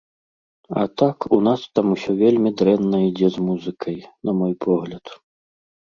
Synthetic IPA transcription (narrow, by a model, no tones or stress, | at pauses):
ɐ̰t̪akunast̪amusʲɔvʲelʲmʲid̪ɾɛnːɐid͡zʲɛzmuzɨkʰɐjnɐmɔjpʰɔɣlʲɐt̪